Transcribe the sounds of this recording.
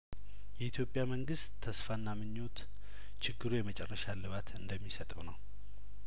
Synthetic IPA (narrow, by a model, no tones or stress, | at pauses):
jɛit̪ʰjopʼːjaməŋɡɨst̪ʰːəsfanːamɨɲːo̞t̪ | t͡ʃʰɪɡːɨɾujɛmət͡ʃʼɛrːəʃalɨβat̪ʰɨnd̪əmːisət̪ʼəwnəw